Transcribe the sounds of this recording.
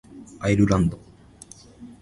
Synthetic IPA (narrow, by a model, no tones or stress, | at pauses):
aiɾɯɾãnd̪o